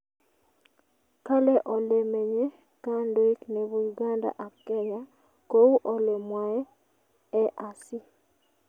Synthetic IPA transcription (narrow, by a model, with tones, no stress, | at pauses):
ka˦lɛ˦ʔɔ˨le˨me˨ɲe˦ | ka˦ndo˦i˦kne˨βo˦juɡa˦nda̰˨ʔa˨kːɛ˦ja˦ | ko˦u˦ʔo˨le˨mwa˨ɛ˦ | ɛ˦ʔa˨si˦